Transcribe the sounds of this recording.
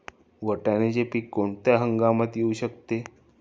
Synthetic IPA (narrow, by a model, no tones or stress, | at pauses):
ʋəʈañet͡ɕepiːkːoɳt̪jaɦəŋɡamat̪jeuɕəkt̪e